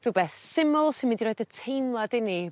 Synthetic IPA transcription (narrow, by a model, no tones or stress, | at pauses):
r̥uwbɛːθsɪmʊlˠsɪnmɪ̃ndiɾɔːjdətʰejnlˠadɪni